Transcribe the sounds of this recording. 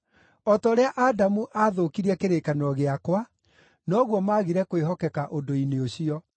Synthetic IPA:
ɔtɔːɾeaʔadamuʔaðokiɾɛkeɾekanɔɣeakwa | nɔɣwɔmaɣiɾɛkweɦɔkɛkaʔodoineoɕiɔ

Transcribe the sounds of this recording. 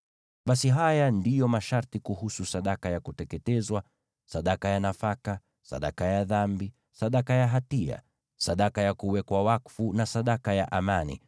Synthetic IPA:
ɓasiɦajandijɔmaʃaɾtikuhususaɗakajakutɛkɛtɛzwa | saɗakajanafaka | sa̰ɗa̰kajaðambi | saɗakajaɦatia̰ | saɗakajakuwɛkwawakfunasaɗakajaʔamanḭ

